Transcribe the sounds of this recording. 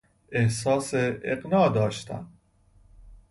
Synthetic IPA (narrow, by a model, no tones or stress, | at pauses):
ehsɒːseeqnɒːd̪ɒːʃt̪ʰæ̰n